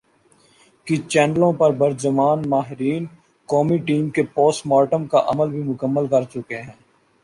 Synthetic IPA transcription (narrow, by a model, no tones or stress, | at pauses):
kit͡ʃɛːnəlõpɐɾbəɾd͡ʒəmaːnmaːɦɪɾiːn | kɔːmiʈiːmkepoːsmɔːʈəmkaʔɐ̰məlbʱimʊkəmːəlkɐɾt͡ʃʊkeɦɛ̃ː